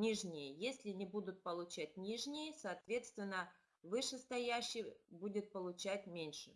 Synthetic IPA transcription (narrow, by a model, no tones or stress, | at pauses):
nʲiʐnʲɪjəjesʲlʲɪnʲɪbud̪ʊt̪̚pəlˠʊt͡ɕæt̚ʲnʲiʐnʲɪjəsɐːt̪vʲe̞t̪st̪vʲɪnːə | vɨʂɨst̪ɐjæɕːɪjbudʲɪt̪̚pəlˠʊt͡ɕæt̚ʲmʲenʲʂɨ̥